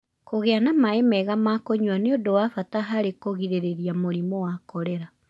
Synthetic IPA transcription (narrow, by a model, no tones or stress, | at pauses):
koɣeanamaemɛɣamakoɲwaneodowafataɦaɾekoɣiðeɾeðiamoɾimɔwakɔɾɛɾa